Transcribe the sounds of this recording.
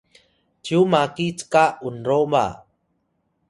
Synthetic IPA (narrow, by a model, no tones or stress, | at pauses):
tumakit͡skaunɾoma̰